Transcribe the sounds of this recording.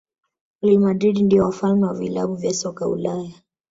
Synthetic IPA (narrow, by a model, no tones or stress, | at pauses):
ulilmadɾiɗindiɔwafalmɛwavila̰ɓuvjasɔkaṵlaja